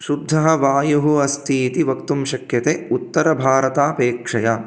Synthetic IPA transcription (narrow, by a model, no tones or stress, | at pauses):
ʃud̪ʱːɐɦɐ̆ʋaːjɐɦuɐst̪ʰiːt̪iʋɐkt̪umʃɐkjɐt̪eut̪ːɐɾɐbʱaːɾɐt̪aːpeːkʂɐja